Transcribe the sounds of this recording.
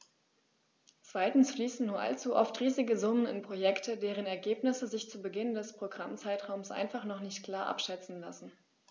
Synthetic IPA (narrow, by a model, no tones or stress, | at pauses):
t͡sv̥aɪtn̩sfliːsn̩nuːɐʔa̰lt͡suʔɔftʁiːzɪɡəzʊmənɪ̰npʁ̥ojɛktʰədeːʁ̞ənɛɐɡeːpnɪsəzɪçt͡suːbəɡɪndɛspʁ̥oɡʁamt͡saɪtʁ̥aʊmsʔa̰ɪnfaχnɔχnɪçtkl̥aːɐʔa̰pʃɛt͡sn̩la̰sn̩